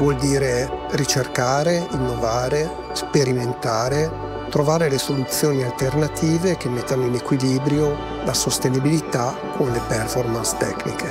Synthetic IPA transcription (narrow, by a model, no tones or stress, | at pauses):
vwɔld̪iːɾerit͡ʃerkaːɾeinːovaːɾe | speɾiment̪aːɾe | t̪ɾovaːɾelesolut̪sːjoːnialt̪ernat̪iːvekemːet̪ːanoinekwiliːbɾjo | lasost̪enibilit̪a | kʰonlepɛrfɔrmanst̪ɛ̰knḭke